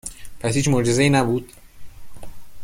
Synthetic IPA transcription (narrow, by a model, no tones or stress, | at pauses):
pʰæshiːt͡ʃmoɾd͡ʒezeiːnæbuːd̪̥